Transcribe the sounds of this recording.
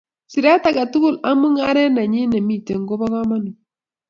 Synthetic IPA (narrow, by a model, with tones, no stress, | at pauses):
si˨ɾa˦ta˨ɡa˨tu˦kʊ˦la˦mu˦ŋa˦ɾɛ˦na˨ɲɪ˦na˨mi˦˨te˨ŋ˦ɡo˦bɔ˦ka˦ma˦nɔ˨